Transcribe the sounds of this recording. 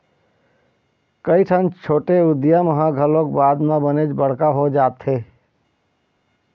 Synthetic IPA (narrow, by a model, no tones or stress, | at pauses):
kəiʈʰant͡ʃʰoːʈeʊd̪jaməɦãɡʱəlõkbaːd̪mabəned͡ʒbəɽ̤kaɦod͡ʒaːt̪ɦeː